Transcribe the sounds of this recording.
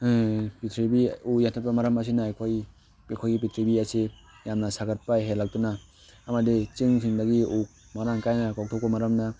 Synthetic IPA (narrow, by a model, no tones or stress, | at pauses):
pitʰɾibiujatʰat̚pɐmaɾɐmɐs̬inakʰoj | pekʰojɡip̬itʰɾibiasi | jamnɐsaɡɐt̚pajɦelak̚tunaː | mɐdit͡ʃiŋsʰiŋdaɡiuk̚ | maɾaŋkajnakɔk̚tʰɔk̚pɐmaɾɐmna